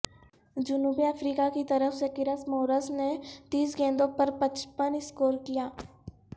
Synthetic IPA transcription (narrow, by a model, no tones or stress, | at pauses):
d͡ʒʊnuːbiəfɾiːkakit̪ɐɾəfsekɪɾəsmoːɾəsnet̪iːsɡẽːnd̪õpɐɾpɐt͡ʃpənɪskoːɾkijaː